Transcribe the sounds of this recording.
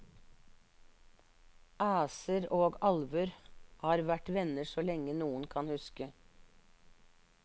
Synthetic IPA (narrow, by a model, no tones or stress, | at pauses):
ʔæːsəɾoːɡɑlʋʉɾhɑːɾʋæʈʋɛnəsoːlɛŋənuːənkʰɑnhʉskə